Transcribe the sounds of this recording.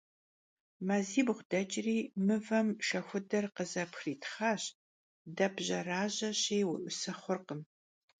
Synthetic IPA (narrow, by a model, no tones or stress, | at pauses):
mɐziːbʁʷd̥ɐt͡ʃʼɪriːmɨvɐmʃɐxʷʊdɐrqəzɐpxriːtʰχaːɕ | dɐbʑɐraːʑɐɕejwʊʔʷʊsɐχʷʊrqəm